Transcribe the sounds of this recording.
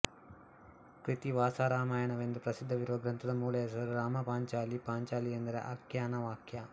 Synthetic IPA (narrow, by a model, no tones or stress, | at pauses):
kɾit̪iʋaːsaːɾaːmaːjɐnɐʋend̪upɾɐsid̪ʱːɐʋiɾuʋɐɡɾɐnt̪ʰɐd̪ɐmuːlɐjɐs̬ɐɾuɾaːmɐpaːɲt͡ʃaːlipaːɲt͡ʃaːlijɐnd̪ɐɾḛʔɐ̰kjaːnɐʋaːkʰjɐ